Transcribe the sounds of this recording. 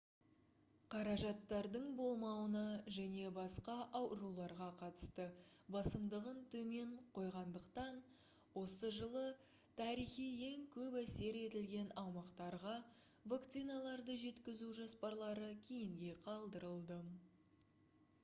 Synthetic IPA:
qʰɑɾɑʒɑt̪ːɑɾd̪əɴbo̞lˠmɑwənɑʒæne̞bɑsqɑʔɑwɾulˠɑɾʁɑqʰɑt̪ə̥st̪əbɑsəmd̪əʁənt̪ʰɵme̞ɴqʰo̞jʁɑnd̪əqt̪ɑn | wo̞səʒəlˠə | t̪ʰɑɾijχije̞ŋkʲʰɵpæse̞ɾe̞t̪ɪlɡʲe̞nɑwmɑqt̪ɑɾʁɑ | vak̚t̪sijnalˠɑɾd̪əʒe̞t̪kʲɪzuʒɑspɑɾlˠɑɾəkʲʰejɪŋɡʲe̞qʰɑlˠd̪əɾəlˠd̪ə

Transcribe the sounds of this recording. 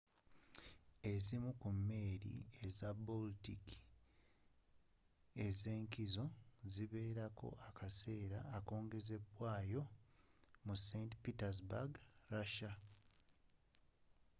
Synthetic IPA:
e̞zimukumːe̞ːɾḭe̞zaboltiki̥ | e̞ze̞ːŋkizo̞ziβe̞ːɾako̞̰ʔakʰase̞ːɾaːko̞ːŋɡe̞ze̞βwaːjo̞ | musentpitazbaɡɾaʃa

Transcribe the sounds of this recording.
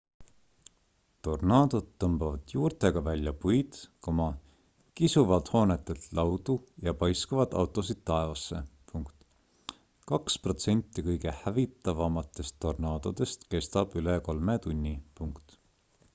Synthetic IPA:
t̪o̞rnɑːd̪̥o̞d̪ːɤmbɑvɑd̪̥juːrt̪e̞ɡ̥ɑvælʲjɑpujd̪̥komɑ | kisuvɑlt̪ho̞ːnet̪ːˑelt̪lɑwd̪̥ujɑpɑjskɑvɑd̪̥ɑ̰wt̪ːˑo̞sid̪̥̚t̪ːɑevɑsːe̞puŋkt̪ˑ | kɑkspro̞t̪se̞nʲt̪ːˑikɤjɡe̞hævit̪ːˑɑvɑmɑt̪ːˑe̞st̪ːo̞rnɑːd̪̥o̞d̪̥e̞st̪ke̞st̪ɑb̥yleko̞lmet̪unʲːipuŋkt̪

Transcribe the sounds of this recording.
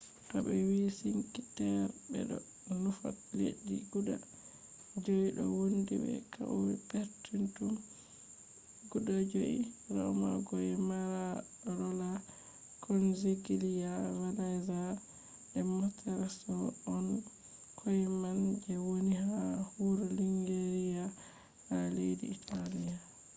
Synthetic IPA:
kabɛwisiŋkitɛɾbɛ̰ɗɔ | nufa̰tlḛɗːiɡuɗa̰ | d͡ʒoiɗɔ̰wondḭbɛ̰kʰauwipeɾtintum | ɡuɗad͡ʒoʔḭɾɔ̰ma̰ɡɔɛmaɾa | ɾɔla | kʰɔnziɡilijavadajza | ɗɛmɔtʰɛɾasɔɔn | kʰɔjmand͡ʒɛwoniɦahuɾuliŋɡeɾija | halejdḭːtʰalija

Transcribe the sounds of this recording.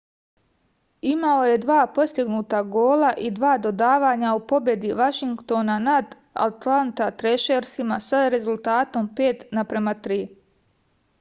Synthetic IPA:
imao̞je̞d̪ʋaːpo̞st̪iɡnuːt̪aɡo̞ːlaʔid̪ʋaːd̪o̞d̪aːʋaːɲaupo̞bje̞d̪iʋaʃiŋkt̪o̞ːnanad̪ | a̰t̪lant̪at̪ɾeʃeɾsimasaɾe̞zulˠt̪aːt̪o̞mpeːt̪napɾe̞mat̪ɾiː

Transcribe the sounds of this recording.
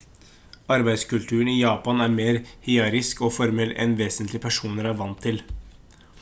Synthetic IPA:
ɑɾbæɪskʉlt̪ʰʉːɳijɑːpɑnæɾmeːɾhɪɑɾɪskɔfɔɾmɛlɛ̰nʋeːsənt̪lɪpʰæʂuːnəɾæɾʋɑnt̪ʰːɪl

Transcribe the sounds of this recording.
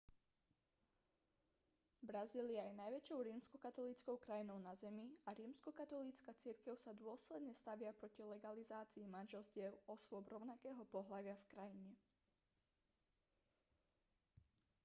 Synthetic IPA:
bɾaziːliajɛnajʋɛt͡ʃɔʊɾiːmskɔkat̪ɔliːt͡skɔʊkɾajinɔʊnazɛmiaɾiːmskɔkat̪ɔliːt͡skat͡siɾkɛʊsad̪ʊɔslɛd̪ɲɛst̪aʋɪapɾɔcilɛɡalizaːt͡siːmanʒɛlst̪ɛʊɔsʊɔbɾɔʊnakɛːɦɔpɔɦlaʋɪafkɾajiɲɛ

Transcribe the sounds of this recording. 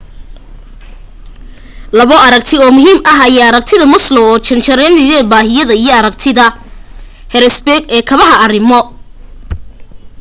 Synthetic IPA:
lɐβɔʔɐɾɐk̚t̪ʰɪɔːmʊɦiːmʔɐɦɐjaːɐɾɐk̚t̪ʰɪðɐmʊslɔwɔːt͡ʃɐnt͡ʃʰɐɾɛnɪjɛbaːɦɪjɐðɐijɔɐɾɐk̚t̪ʰɪðɐ | hɛɾɛsbɛɡɛːkʰɐβɐɦɐːrɪmɔ

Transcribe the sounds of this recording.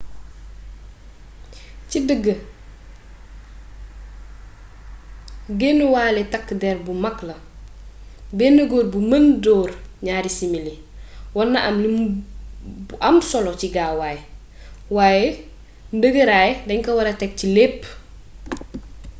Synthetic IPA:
cidəɡːə | ɡenəwaːlɛtakːdɛɾbumɐkːlɐ | benəɡoːɾbuməndɔːrɲaːɾisimili | wɔnːɐʔɐmli | ʔɐmsɔlɔt͡ʃiɡaːwaːjɛ | waːje | ndəɡəɾaːjdɐɲkɐwɐɾɐtɛk̚cilepː

